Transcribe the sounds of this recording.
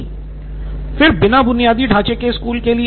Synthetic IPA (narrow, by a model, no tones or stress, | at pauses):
fɪɾbɪnabʊnijaːd̪iɖʱaːt͡ʃekeskuːlkeli